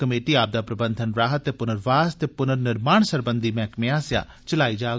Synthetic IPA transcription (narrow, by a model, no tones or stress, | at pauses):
kəmeːʈiːaːp̚d̪aːpɾəbə̃nd̪ʱənɾaːɦət̪ːeːpʊnəɾʋaːst̪eːpʊnəɾnɪɾmaːɳsəɾbənd̪ʱiːmɛ̃ːkmẽaːsja̰ː | t͡ʃəlaːiːd͡ʒaː